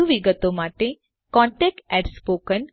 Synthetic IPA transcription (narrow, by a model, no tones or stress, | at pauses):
uʋiɡət̪omaʈe | kɔ̃ɳʈekʈɛʈspokən